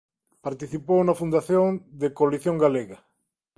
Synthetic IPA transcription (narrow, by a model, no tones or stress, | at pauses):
paɾt̪iθipownɐfund̪aθjõŋd̪ekoaliθjõŋɡaleɣa